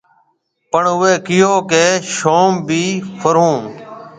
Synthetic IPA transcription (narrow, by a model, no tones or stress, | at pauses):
pəɳʊeːkɪjoːkeːʃoːmbʱiːfʰəɾũː